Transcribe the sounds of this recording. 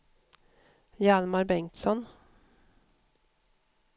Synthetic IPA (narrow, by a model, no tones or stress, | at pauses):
jalmaɾbɛŋt̪sɔn